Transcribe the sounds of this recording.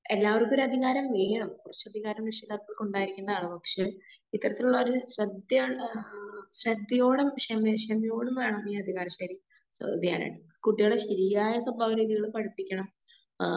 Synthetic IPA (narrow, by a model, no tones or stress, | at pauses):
elːaːʋɐrukːoɾɐd̪ʱiɣaːɾɐmʋeːjɐɳɐmkurɐt͡ɕːɐd̪ʱiɣaːɾɐmiʂɐd̪ɐkːɐɭkuɳɖaːjiɾikʲːunɐðaːɳɨpɐkʂe | it̪ːɐɾɐt̪ːiluɭːɐoɾuɕrɐd̪jɐ | srɐd̪ːjɐjo̞ːɽumʂɐmɐʂɐmijo̞ːɽumʋe̞ːɳɐmiːɐd̪ʱiɣaːɾɐɕaːɾi | sd̪ija̰ːna̰ɳɨ | kuʈːijoːɽeɕɐɾiːaːjɐswɐbʱaːʋɐɾiːðiɣɐɭupɐɽipːikʲːɐɳɐm